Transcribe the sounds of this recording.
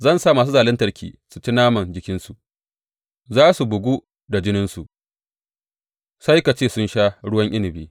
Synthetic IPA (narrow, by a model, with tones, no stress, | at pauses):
zɐ˦nsaː˦˨maː˨suː˦zaː˨lɪ˦ntɐ˦rkʲḭː˨su˨t͡ʃi˦naː˦mɐ˨nd͡ʒɪ˦kʲɪ˦nsu˨ʔ | zaː˦su˨bʊ˨ɡʷu˦ | da˨d͡ʒɪ˦nɪ˦nsṵ˨ʔ | sa˦jka˨t͡ʃeː˦˨sʊ˦nʃaː˦ɽʊ˦wɐ˦ɲʔɪ˦lɪ˨biː˦